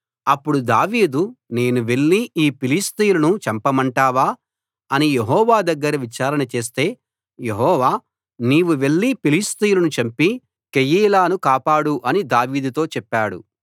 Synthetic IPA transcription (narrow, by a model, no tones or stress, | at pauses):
ɐpːuɽud̪aːʋiːd̪une̞ːnuʋe̞ɭːiiːpilist̪ijulɐnut͡ʃɐmpɐmɐɳʈaːʋaː | ɐnijeɦɔːʋaːd̪ɐɡːɐɾɐʋit͡ʃaːɾɐnɐt͡ʃe̞ːst̪e̞ː | je̞ɦɔːʋaː | niːʋuʋe̞ɭːipilist̪ijulɐnut͡ʃɐmpi | kejiːlaːnukaːpaːɽuʔɐnid̪aːʋiːd̪ut̪o̞ːt͡ʃɛpːaːɽṵ